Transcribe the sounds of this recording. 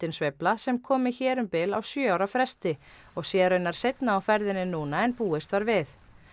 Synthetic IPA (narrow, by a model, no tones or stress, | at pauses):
t̪ɪnsveplasɛmkʰɔːmɪçɛːɾʏmpɪla̰wsjœːawɾafɾɛst̪ɪ | ɔɣsjɛːɾœnːaɾ̥sejt̪naawfɛɾðɪnːɪnːuːnaɛnpuːɪst̪vaɾvɪθ